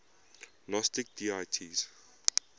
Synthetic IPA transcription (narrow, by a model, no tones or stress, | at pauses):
lɔstɪk̚diːaɪtʰiz̥